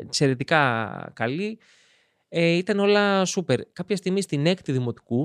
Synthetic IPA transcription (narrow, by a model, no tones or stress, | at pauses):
kse̞ɾe̞t̪ikɐ̰kɐli | eit̪ɐno̞lɐsupe̞ɾkɐpçest̪iɣmist̪ine̞kt̪uðimo̞t̪i̥ku